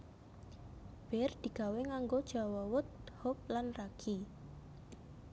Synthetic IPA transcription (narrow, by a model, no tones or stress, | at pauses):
b̥ɛrd̪̥i̤ɡ̥a̤weŋaŋɡod̥ʒ̥a̤wɔwʊt̪̚hɔp̚lanraɡ̥i